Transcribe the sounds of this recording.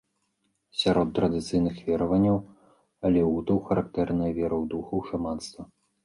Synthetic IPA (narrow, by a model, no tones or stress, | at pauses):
sʲaɾɔt̪ːɾɐd̪ɨt̪sɨjnɨxvʲɛɾɐvɐnʲːɐw | ɐlʲɛut̪ɐwxɐɾʔakt̪ɛrnɐjɐvʲɛɾɐwd̪uxɐwʂamanst̪vɐ